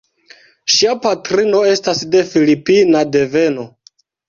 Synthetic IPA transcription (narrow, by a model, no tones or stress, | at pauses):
ʃiapatɾino̞e̞stasde̞filipinade̞ve̞no̞